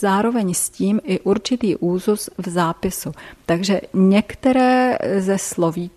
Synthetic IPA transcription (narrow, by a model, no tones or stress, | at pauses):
zaːɾo̞vɛɲsciːmʔɪʔuɾt͡ʃɪt̪iːʔuːzusvzaːpɪsut̪aɡʒɛɲɛkt̪ɛɾɛːzɛslo̞viː